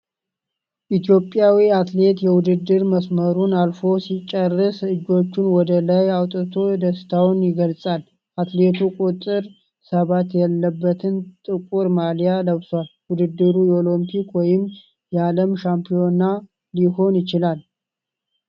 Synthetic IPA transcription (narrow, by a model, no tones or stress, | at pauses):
ʔit̪ʰjo̞pʼjawiat̪le̞t̪jɛwʊd̪ɨd̪ːɨɾməsməɾunalfo̞sit͡ʃʼːərːɨsɨd͡ʒːo̞t͡ʃːɪnwɔd̪əlajawt̪ʼɨt̪ʰo̞d̪əst̪ʰawnjɪɡəlsʼal | ʔat̪le̞t̪ʰukʼut̪ʼːɨɾ | səβat̪jɛlːəbːət̪ʰɨnt̪ʼɨkʼuɾmalijaləβsalwʊd̪ɨd̪ːɨɾujɛolompʰikwɔjɪm | jɛaləmʃampʰijo̞na | liho̞njɪt͡ʃɪlal